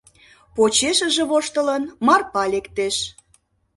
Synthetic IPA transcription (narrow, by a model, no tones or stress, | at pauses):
pot͡ɕeʃə̆ʒĕβoʃt̪ələnmɑrpɑlekt̪eʃ